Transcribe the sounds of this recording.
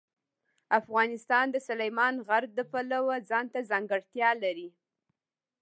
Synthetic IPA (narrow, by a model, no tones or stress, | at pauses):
afɣɑnɪst̪ɑnd̪əsʊlajmɑnɣaɾ̚d̪əpalawazɑnt̪azɑŋɡəɽt̪jɑlaɾi